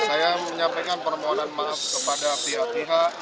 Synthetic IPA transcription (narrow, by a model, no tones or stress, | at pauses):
sajaməɲampakanpərmoɦonanmafkəpadapiɦaʔpiɦaʔ